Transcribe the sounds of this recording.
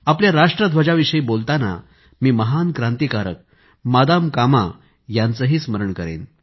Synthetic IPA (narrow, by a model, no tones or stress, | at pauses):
apljaɾaʂʈɾəd̪ʱʋəd͡ʑaʋiɕəiːbolt̪ana̰ | miːməɦankɾãnt̪ikaɾək̚ | mad̪amkama̰ | jant͡səɦiːsməɾəɳkəɾḛn